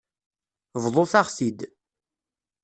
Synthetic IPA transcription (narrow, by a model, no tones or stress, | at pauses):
vðˤoθaʁsid̪